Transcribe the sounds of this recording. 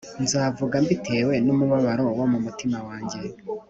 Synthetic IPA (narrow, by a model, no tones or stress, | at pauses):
nzaːvuɡambitʰe̞ːwe̞numuβaβaɾo̞womumutimawaːɲɟe̞